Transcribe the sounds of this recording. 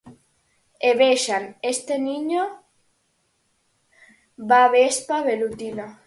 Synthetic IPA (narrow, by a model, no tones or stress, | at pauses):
eβeʃanest̪eniɲo | baβespaβelut̪ina